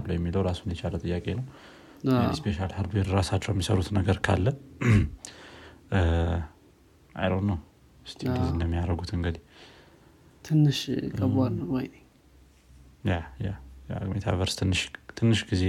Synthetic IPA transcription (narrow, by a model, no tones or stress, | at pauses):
lːəwjɛmːiləwɾasunjɛt͡ʃʰalət̪ʼɨjːakʼe̞nəw | spʰeʃalhɨɾd̪weɾɾasat͡ʃːɛwjɛmːisə̰ɾut̪nəɡəɾkʰa̰lːə | ʔa̰jɾonːəw | ɨst̪ʰiɡizend̪əmːijaɾəɡut̪ɨŋɡəd̪i | t̪ʰɨnːɨʃkʼəalnəwojnəɲ | jajaja̰met̪ʰa̰βəɾst̪ʰɨnːɨʃt̪ʰɨnːɨʃɡize